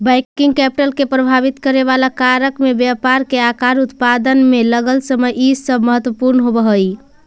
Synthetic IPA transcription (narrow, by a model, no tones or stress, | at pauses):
bajkiŋɡ̚kɛpiʈəlkepɾəbʱabit̪kəɾeβalakaɾəkmebjapaɾkeakaɾut̪pad̪ənmeləɡəlsəməjʔisəbʱməɦət̪wəpuɾnəɦobəɦəj